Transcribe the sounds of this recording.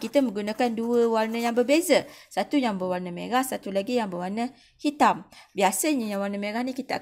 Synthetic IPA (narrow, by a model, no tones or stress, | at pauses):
kit̪əmə̃ŋɡunãkanduəwarnə̃jaŋbərbezəsat̪ujaŋbəwarnəmḛ̃ɾahsat̪ulaɡijaŋbəwarnə | hit̪ambiasəɲəjaŋwarnəmẽɾahnikit̪əa̰